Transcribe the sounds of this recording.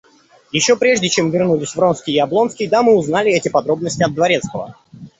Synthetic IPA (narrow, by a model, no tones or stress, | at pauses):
jɪɕːo̞pɾʲe̞ʐdʲɪt͡ɕe̞mvʲɪrnulʲɪsʲvro̞nskʲɪjɪɐblˠo̞nskʲɪjd̪amɨʊznalʲɪɛtʲɪpɐd̪ɾo̞bnəsʲtʲɪɐd̪̚d̪vɐɾʲe̞t̪skəvə̰